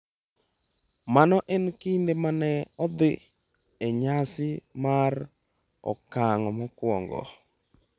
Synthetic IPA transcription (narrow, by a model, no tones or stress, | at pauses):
manɔʔɛnkindemanɛɔd̪ɪ | eɲasɪmar | ɔ̰kaŋɔmɔkwɔ̰ŋɡɔ̰